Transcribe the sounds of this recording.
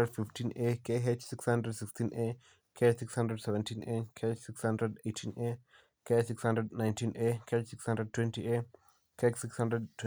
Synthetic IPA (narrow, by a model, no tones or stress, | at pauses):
ədfiftʰinekʰeɦet͡ʃsikshãndɾədsikstʰinʔe | kʰesikshãndɾədsɛvɛ̃ntʰinekʰeet͡ʃsikshãndɾɛdejtʰine | kesikshãndɾədnajntinʔekʰet͡ʃsikshãndɾəd̚twɛ̃ntie | kʰet͡ʃsikshãndɾɛd̚tː